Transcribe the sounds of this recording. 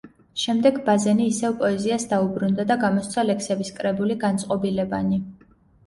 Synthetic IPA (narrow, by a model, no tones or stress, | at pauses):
ʃɛmd̪ɛɡbazɛniːsɛvpʼɔɛziasd̪aubɾund̪ad̪aɡamɔst̪sʰalɛksɛbiskʼɾɛbuliɡant̪sʼqʼɔbilɛbani